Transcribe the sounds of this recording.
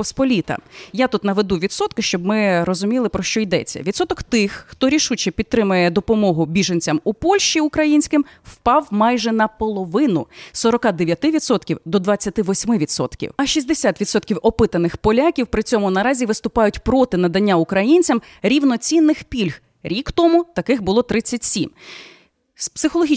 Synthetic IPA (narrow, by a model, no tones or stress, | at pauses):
pɔspɔlʲit̪ɐ̰jat̪ut̪nɐʋed̪uʋʲid̪sɔt̪kɪʃt͡ʃɔbmɪɾɔzʊmʲilˠɪpɾɔʃt͡ʃɔjd̪ɛ̰t͡sʲːɐ̰ʋʲid̪sɔt̪ɔkt̪ɪxːt̪ɔɾʲiʃut͡ʃɛpʲid̪ɾɪmʊjɛd̪ɔpɔmɔɦʊbʲiʒɐnʲt͡sʲɐmupɔlʲʃʲt͡ʃiʊkɾɐjinʲsʲkɪmwpɑwmɑjʒɛnɐpɔlˠɔʋɪnʊsɔɾɔkɑd̪eʋʲjɐt̪ɪʋʲid̪sɔt̪kʲiwd̪ɔd̪ʋɐt͡sʲːɐt̪ɪʋɔsʲmɪʋʲid̪sɔ̰t̪kʲḭwɐʃiz̬ʲd̪esʲat̪ʋʲid̪sɔt̪kʲiwɔpɪt̪ɐnɪxpɔlʲakʲiwpɾɪt͡sʲɔmʊnɐɾɑzʲiʋɪst̪ʊpɑjʊtʲpɾɔt̪ɪnɐd̪ɐnʲːaʊkɾɐjinʲt͡sʲɐm | ɾʲiwnɔt͡sʲinːɪxpʲilʲx | ɾʲikt̪ɔmʊt̪ɐkɪxbʊlˠɔt̪ɾɪt͡sʲːɐtʲsʲim | spsɪxɔlˠɔɦi